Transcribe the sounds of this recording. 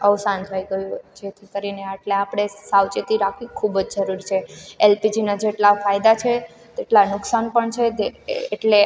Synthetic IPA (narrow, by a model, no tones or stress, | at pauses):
əʋsant̪ʰəiɡəjũd͡ʒet̪ʰikəɾineeʈleapɽ̃esawt͡ʃit̪iɾakʰikʰubd͡ʒd͡ʒəɾuɾit͡ʃʰeelpid͡ʒinad͡ʒeʈlafajd̪at͡ʃʰe | t̪eʈlanʊksanpəɳt͡ʃʰed͡ʒ̪eːʈle